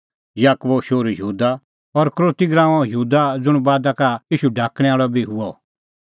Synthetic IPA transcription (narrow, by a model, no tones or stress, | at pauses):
jaːkbɔʃoːɾjɦuːd̪a | ɔɾkɾoːt̪iɡɾãːɔ̃jəɦuːd̪ad͡zʊɽ̃baːd̪akaiːʃuɖʱaːkɽ̃ɛ̃aːɭɔbʱiɦʊɔ